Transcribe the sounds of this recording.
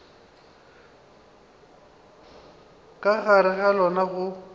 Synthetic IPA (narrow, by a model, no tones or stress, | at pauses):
kʼaɣaɾɪɣalɔnaɣʊ